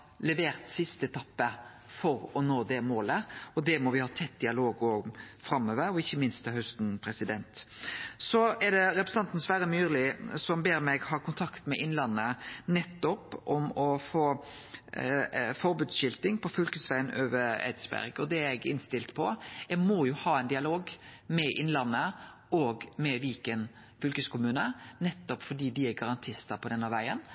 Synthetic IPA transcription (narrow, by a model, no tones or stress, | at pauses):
lɛʋeːʁt̪sɪst̪əɛt̪ʰɑpːə | fɔɾɔnoːd̪ɛmoːləɔd̪ɛmɔʋɪhɑːt̪ʰɛt̪̚ːd̪ɪɑloːɡɔfɾɑmːøːʋəɾɔɪçːəmɪnst̪ʰːɛhœst̪npʰɾɛsɪd̪ɛnt̪sɔɛd̪ɛɾɛpɾɛs̩ɑnt̪n̩sʋæːɾəmyːʁlɪsɔmbeːɾmɛɡhɑːʁkʊnt̪ʰɑkt̪mɛʔɪnlɑnːənɛt̪ːɔpʔɔmɔfoː | fɔɾbʉːd̪sɕɪlt̪ɪŋpʰɔfʏlkəsʋæɪənøːʋəæ̰ɪd̪sbæ̰ɾɡɔd̪ɛɛɡɪ̰nst̪ɪlt̪pʰɔjɛɡmɔjʊhɑːæɛɪnd̪ɪɑloːɡmɛʔɪnlɑnːə | ʔɔːɡmɛʋiːkən | fʏlkəskʊmʉːnənɛt̪ːɔpfɔɖiːd̪ɪæɡɑɾɑnt̪ʰɪst̪əpʰɔd̪ɛnːɑʋæɪən